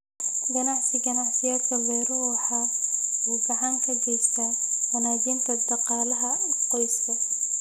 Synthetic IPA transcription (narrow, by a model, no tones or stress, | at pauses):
ɡɐnɑʕsɪɡɐnɑħsɪjaːd̪kʰɐlɛːɾʊwħɑːuːbɐʕaːŋkʰɐd͡ʒɛst̪ɐ | bɐnaːd͡ʒiːnt̪ʰɐd̪ɑqɑːlɐɦɐɪsqɔjst̪ɐ